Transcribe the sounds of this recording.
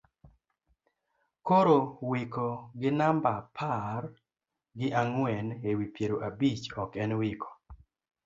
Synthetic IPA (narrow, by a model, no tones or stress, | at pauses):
koɾowikɔɡɪnambapʰar | ɡɪʔaŋwɛnewipjeɾoʔabit͡ʃɔkɛnwikʰɔ̥